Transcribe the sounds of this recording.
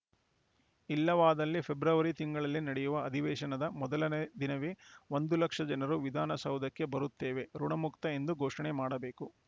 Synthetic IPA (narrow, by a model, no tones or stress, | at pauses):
ilːɐʋaːd̪ɐlːipʰe̞bɾɐʋɐɾit̪iŋɡɐɭɐlːinɐɽɛjuʋɐːd̪ʱiʋɛːʃɐnɐd̪ɐmɔd̪ɐlɐned̪inɐʋiʋo̞nd̪ulɐkʂɐd͡ʒɐnɐɾuʋid̪ʱaːnɐsɐwd̪ʱɐkːe̞bɐɾut̪ːeːʋe̞ɾuɳɐmukt̪ɐe̞nd̪uɡoːʂɐɳemaːɽɐbe̞ːku